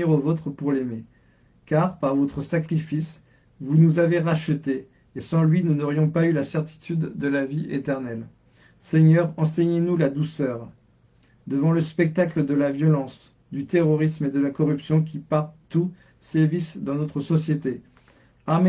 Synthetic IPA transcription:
iʁovot̪χəpuʁleme | kaʁpaʁvɔt̪χəsakχifis | vunuzaveʁaʃət̪eː | sɑ̃lɥinunɔʁjɔ̃paylasɛʁt̪i̥t̪ʰyd̪ːəlaviʔet̪ɛʁnɛl | sɛɲœʁɑ̃sɛɲenulad̪usœʁ | d̪əvɑ̃ləspɛk̚t̪akləd̪əlavjɔlɑ̃s | d̪yt̪eʁɔʁismed̪əlakɔʁypsjɔ̃k̬ʲipaʁt̪u | sɛvisd̪ɑ̃nɔt̪χəsɔsjet̪e | ame

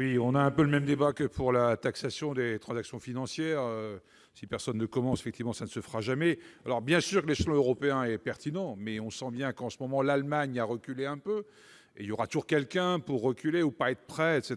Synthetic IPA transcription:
wiɔ̃naɛ̃pøləmɛmd̪ebakəpʰuʁlat̪aksasjɔ̃d̪et̪χɑ̃zaksjɔ̃finɑ̃sjɛʁø | sipɛʁsɔnːəkɔmɑ̃se̥fɛk̚t̪ivmɑ̃sanəsəfʁaʒamɛalɔʁbjɛ̃syːʁkleʃlɔ̃øʁɔpeɛ̃ɛpɛʁt̪inɑ̃mɛɔ̃sɑ̃bjɛ̃kɑ̃səmɔmɑ̃lalmaɲaʁəkʲyleɛ̃pø | eiljɔʁat̪uʒuʁkʲɛlkʲɛ̃puʁːəkʲyleupaɛt̪χəpχɛɛt̪set̪

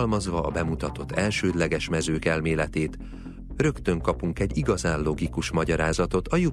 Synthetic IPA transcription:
lmɒzʋɒːbɛmut̪ɒt̪o̞t̪ʰːɛlʃøːd̪lɛɡɛʃmɛzøːkɛlmeːlɛt̪eːt̪ | rø̞kt̪ø̞ŋkɒpuŋkɛɟːiɡɒzaːnlo̞ɡikuʃmɒɟɒɾaːzɒt̪o̞t̪ɒju

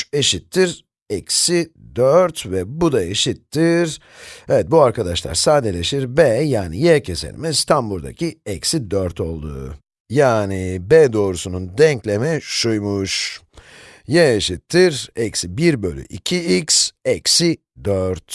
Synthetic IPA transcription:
eʃit̪ʰːiɾ | ɛcsid̪øɾt̪vɛbud̪aeʃit̪ʰːiɾ̥ | ɛvɛt̪̚buaɾkad̪aʃlˠa̰ɾsaːd̪elʲeʃiɾbɛːjaːnijɛcʰesḛlʲḭmɛst̪ʰanbuɾd̪a̰cʰiɛcsid̪øɾt̪ʰo̞lˠd̪ṵː | jaːnibɛd̪o̞ːɾusunund̪ɛɲclʲemɛʃujmuʃ | jɛeʃit̪ʰːiɾɛcsibiɾbø̞lʲy̰ʔicʰiiksɛcsi | d̪øɾt̪

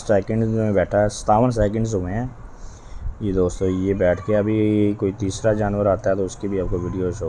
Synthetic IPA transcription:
sɛːkə̃ɳɖzmẽbɛːʈʰaɦɛsɐ̥t̪aːʋəns̬ɛːk̬ə̃ɳɖzɦoːẽɦɛ̃ː | jed̪oːst̪õːjebɛːʈʰkeɐbʱikoːit̪iːsɾad͡ʒaːnʋəɾaːt̪aɦɛt̪oʊskibʱiaːp̚koʋiːɖijoːʃoː

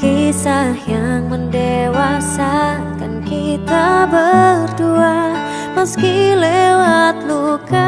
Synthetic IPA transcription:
kisahjaŋməndewasa | kankit̪abərdua | məskilewat̪̚luka

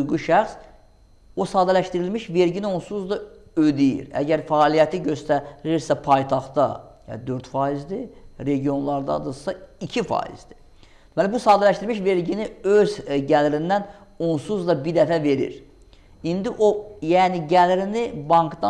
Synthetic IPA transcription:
ujɡuʃæxs | osɑːd̪ælæʃt̪iɾilmiʃve̞ɾɟinio̞nsuzd̪ɑ | ød̪ijḭɾæ̰ɟæɾfæːlijæt̪ʰiɟø̞st̪æɾiɾsæpʰɑjt̪ʰɑχt̪ɑ̰jæ̰nd̪ø̞ɾt̪fɑːizd̪iɾe̞ɟijo̞nlˠɑɾd̪ɑ̰d̪ɯsɑicʰifɑ̰ːḭz̥d̪i̥ | d̪̥emælibusɑːd̪ælæʃt̪iɾmiʃve̞ɾɟiniøzɟælɾind̪ænonsuzd̪ɑbid̪æfæve̞ɾḭɾ | ind̪iʔojæːniɟælɾinibɑŋkd̪ɑ

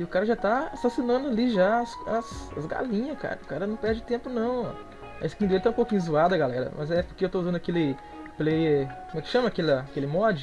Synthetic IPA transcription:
ɪʊkaɾɐʒat̪aasasinɐ̃nd̪ʊaliʒasɐsɐ̰zɡa̰lĩɲɐska̰ɾɐʊkaɾɐnɐ̃w̃pɛɾd͡ʒɪt̪ẽmpʊnɐ̃w̰̃ | ɐesɪ̥kĩd̪elɪt̪ãũpowkĩɲʊzuad̪ɐɡalɛɾɐ̰mɐzɛpʊɾkeewt̪ouzɐ̃nd̪ʊɐkelɪ | plejeɾkõmɛkɪ̥ʃɐ̃mɐːkelɐakelɪmɔd͡ʒɪ

